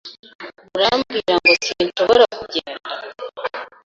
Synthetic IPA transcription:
muɾamɡiːɾaŋɡo̞siːnʃo̞βo̞ɾakuɟeːnda

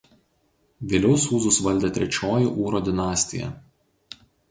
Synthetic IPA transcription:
ʋʲeːlʲɛʊsuːzʊsʋɐlʲd̪ʲeːt̪ʲɾʲɛt͡ʃʲoːjuʔuːɾoːd̪ʲɪnɑːsʲt̪ʲɪ̰jɛ̰

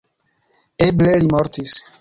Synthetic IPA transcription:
eblelimoɾt̪is

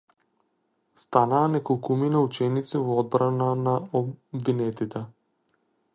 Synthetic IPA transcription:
st̪anaːnɛkɔlˠkuminaut͡ʃɛnit̪sivɔɔd̪̚bɾananaɔbvinɛt̪it̪ɛ

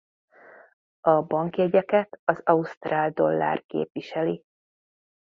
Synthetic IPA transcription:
ɒbɒŋkiɛɟɛkɛt̪ɒzɒust̪raːld̪o̞lːa̰ːrkḛːpʋiʃɛli

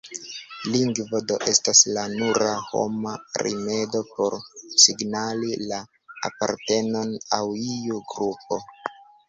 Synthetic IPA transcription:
liŋɡvodo̞ʔe̞staslanuɾaho̞̰maɾḭme̞do̞po̞ɾsiɡnalila | a̰pa̰ɾte̞no̞nawiuɡɾupo̞

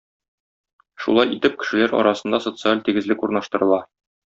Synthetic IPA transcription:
ʃṵlˠɑjit̪ɘp̚kɘ̥̆ʃɘ̆læɾɒ̰ɾʔɑsɤ̆nd̪ɑso̞t̪sɨalʲt̪iɡɘ̆zlɘkuɾnɑʃt̪ɤ̆ɾɤ̆lˠɑ

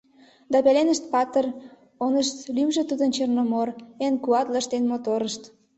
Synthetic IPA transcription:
d̪ɑpelenəʃt̪̚pɑt̪ər | onəʃt̪lymʒĕt̪ud̪ənt͡ɕernomorenkuɑt̪ləʃt̪enmot̪oɾəʃt̪

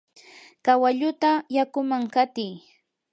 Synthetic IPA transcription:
kawaʎʊt̪ajakʊmaŋkat̪ɪj

